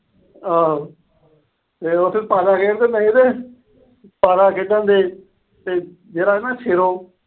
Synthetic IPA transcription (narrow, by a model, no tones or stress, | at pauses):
aː | t̪eːot̪ʰːepaːɾaːkeːɾt̪eːmɛ̃ːd̪eː | paːɾaːkeɖãːnd̪eː | t̪eː | d͡ʒeːɾaːɦeːnaːʃʰeɾoː